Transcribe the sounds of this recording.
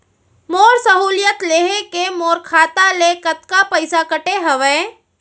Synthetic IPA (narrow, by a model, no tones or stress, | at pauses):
moːɾsəɦuːlɪjət̪leːɦẽkemoːɾkʰaːt̪alekət̪kapəɪsakəʈeɦəʋẽː